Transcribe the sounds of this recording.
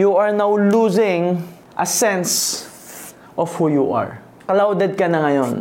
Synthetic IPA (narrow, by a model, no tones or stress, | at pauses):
juɐɹnawluzɪ̃ŋ | ʔɐsɛns | ʔɔfhujuʔa̰ɹ | kɐlawd̪ɛd̪̚kɐnɐŋɐjon